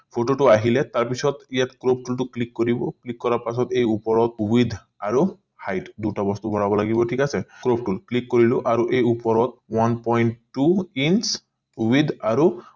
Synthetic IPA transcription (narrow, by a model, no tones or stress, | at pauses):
pʰoʈoʈuaɦilet̪aɹpisʰɔt̪ijat̪kɾop̚ʰʈulʈuklikːoɾibɔklikːɔɾapasɔt̪ejupɔɾɔt̪̚ubid̪ʱ | aɾu | hajʈd̪uʈabɔst̪ubʱɔɽabɔlaɡibɔʈʰikasekɾop̚ʈulklikːoɾiloʔaɾuʔejupɔɾɔt̪wanpɔjɳʈːuins | ubid̪ʱaɾu